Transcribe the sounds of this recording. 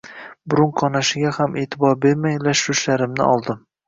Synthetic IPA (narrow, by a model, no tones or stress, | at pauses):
bʊɾʊɴqʰɒnaʃɪɡʲahamʔet̪ʰɪbɒɾbe̞ɾmajlaʃʊʃlaɾɪmnɪ̰ʔɒlˠd̪ɪm